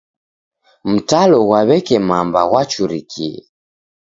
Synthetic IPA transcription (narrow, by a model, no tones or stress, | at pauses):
m̩talɔɣwaβɛkɛmambawat͡ʃuɾikʰiɛ̰